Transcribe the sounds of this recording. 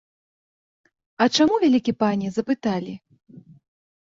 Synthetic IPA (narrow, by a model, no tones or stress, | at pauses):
ɐt͡ʂamuvʲalʲikʲipanʲizɐpɨt̪alʲi